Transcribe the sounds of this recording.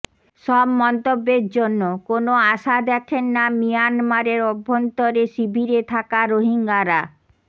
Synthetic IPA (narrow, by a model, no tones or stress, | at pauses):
ʃɔbmɔnt̪obːeɾd͡ʑonːokonoaʃad̪ɛkʰenːamijanmaɾeɾɔbʱːont̪oɾeʃibʱiɾet̪ʰakaɾoɦiŋɡaɾa